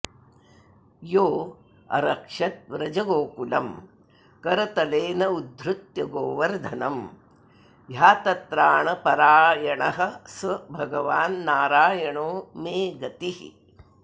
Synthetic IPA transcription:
joː | ɐ̰ɾɐkʂɐt̪̚ʋɾɐd͡ʒɐɡoːkulɐ̰m | kɐɾɐt̪ɐleːnɐud̪ʱɾut̪jɐɡoːʋɐɾd̪ʱɐnɐm | jaːt̪ɐt̪ɾaːɳɐpɐɾaːjɐɳɐɦɐ̆sʋɐbʱɐɡɐʋaːnːaːɾaːjɐɳoːmeːɡɐt̪ihḭ

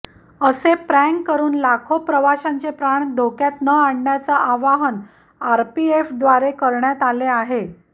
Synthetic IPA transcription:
əsepɾæŋɡkːəɾuːnlakʰopɾəʋaɕãɲt͡sepɾaɳd̪ʱokjat̪nəaɽɳjat͡saʔaʋaɦən | aɾpiefd̪ʋaɾekəɾɳjat̪aleaɦe

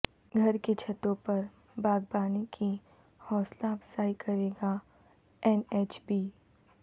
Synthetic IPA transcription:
ɡʱɐɾket͡ʃʰɐt̪õpɐɾ | baːɡ̚baːnekʰi | hɔːslabsaːikɐɾeːɡa | ɛneːt͡ʃbiː

